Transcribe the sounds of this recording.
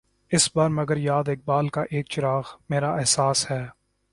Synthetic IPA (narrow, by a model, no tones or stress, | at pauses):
ɪsbaːɾmɐɡəɾjaːd̪ɪk̚baːlkaʔeːk̚t͡ʃɪɾaːxmeːɾaʔɪɦsaːshɛː